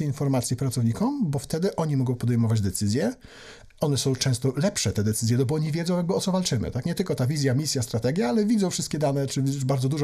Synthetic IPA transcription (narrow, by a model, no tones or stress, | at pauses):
infɔɾmat̪sʲjipɾat̪sɔvɲikɔmbɔft̪ɛd̪ɘʔɔɲimɔɡɔ̃w̃pɔd̪ɛjmɔvad͡ʑd̪ɛt̪sɘzʲjɛ | ɔnɛsɔ̃w̃t͡ʂɛ̃w̃st̪ɔlɛpʂɛt̪ɛd̪ɛt̪sɘzʲjɛnɔbɔɔɲivʲjɛdzɔ̃jaɡ̚bɘɔt̪sɔvalt͡ʂɘmɘ̰t̪akɲɛt̪ɘlkɔt̪avʲizʲjamʲisʲjast̪ɾat̪ɛɡʲjaalɛvʲid̪zɔw̃fʂɘst̪̚kʲɛd̪anɛt͡ʂɘubaɾd̪zɔd̪uʐɔ